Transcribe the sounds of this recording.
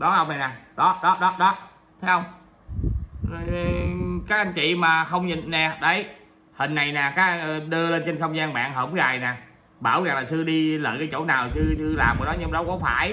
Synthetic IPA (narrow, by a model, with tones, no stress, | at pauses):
ɗɔ˨˦nhə˧wŋ͡mna˨˩jnaː˨˩ɗɔ˨˦ɗɔ˨˦ɗɔ˨˦ɗɔ˨˦ | t̪ʰe˨˦hə˧wŋ͡m | kaː˦˥k̚ʔa˧ŋ̟t͡ɕḭ˧˨maː˨˩xə˧wŋ͡mɲḭ˨ŋnɛ˨˩ɗə˨˦j | hï˨˩ŋ̟ːa˨˩jnaː˨˩kaː˨˦˥k̚ɗɨ˧əle˧nt͡ɕe˧nxə˧wŋ͡mzaː˧nɓa̰ː˧˨nɦəː˧˩ŋ͡mzaː˨˩jnaː˨˩ | ɓaː˧˩wɣaː˨˩laː˨˩sɨ˧ɗi˧lə̰ː˧˨jkaː˨˦jt͡ɕo̰˧˩naː˨˩wsɨ˧sɨ˧laː˨˩mʔɗɔ˨˦ɲɨ˧m˨˩ɗɔ˨˦kɔ˨˦faː˧˩j